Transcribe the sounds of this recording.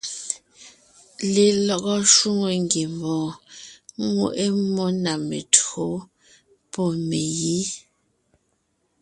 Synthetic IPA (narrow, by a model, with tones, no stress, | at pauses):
li˨lɔ˦kɔ˦ʃwu˦ŋo˨ŋɡi˨mbɔ̃ː˨˦ | ŋṵ˨ʔe˦mɔ˦na˨mḛ˨tʰo˨˦ | pɔ˦˨me˨ji˦